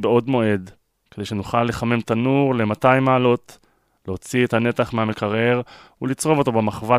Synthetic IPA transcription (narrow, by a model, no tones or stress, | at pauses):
beo̞dmo̞e̞d | ked̪ejʃe̞nuχalːe̞χame̞mt̪anuʁle̞matajmaːlo̞t | leot͡siethane̞taχmeame̞kaʁe̞ʁ | ulit͡sʁo̞vo̞to̞bemaχva